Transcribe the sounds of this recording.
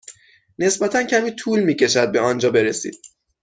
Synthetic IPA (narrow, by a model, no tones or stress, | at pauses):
ne̞sbæt̪ʰæncʰæmiːt̪ʰuːlmiːce̞ʃæd̪̚be̞ɒnd͡ʒɒːbe̞ɾe̞sḭːd̪̥